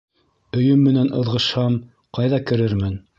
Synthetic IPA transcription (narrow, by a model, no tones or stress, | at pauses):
ɵ̆jɵmːɘ̆nænʔɤ̆ðʁɤ̆ʃhɑm | qɑjðɑkɘ̆ɾɘɾmɘn